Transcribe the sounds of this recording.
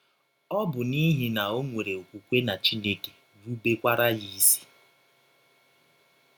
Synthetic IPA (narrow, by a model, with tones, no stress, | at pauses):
ɔ˦bʊ˨ni˦ɦi˨na˨o˦ŋʷe˨ɾe˨o˨kʷu˨kʷe˦na˨t͡ʃi˦ne˦ke̥˨ | ɾu˦be˦kʷa˦ɾa˦ji˦si̥˦